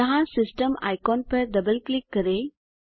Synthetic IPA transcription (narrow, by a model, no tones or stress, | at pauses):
ɐɦãsɪsʈəma̰jkɔnpəɾɖ̪ɐbəlklikːəɾe